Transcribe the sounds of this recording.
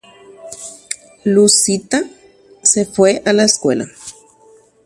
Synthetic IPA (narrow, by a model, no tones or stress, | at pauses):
lusit̪a | sefweʔalaeskwela̰